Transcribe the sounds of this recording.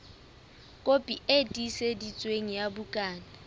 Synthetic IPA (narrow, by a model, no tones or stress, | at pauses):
kʼopʼietʼisedit͡sʼweŋijabukʼaːna